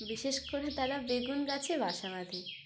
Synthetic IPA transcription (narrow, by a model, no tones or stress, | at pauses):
biʃeʃkoɾet̪aɾabeɡunkat͡ɕʰebʱaʃamad̪ʱi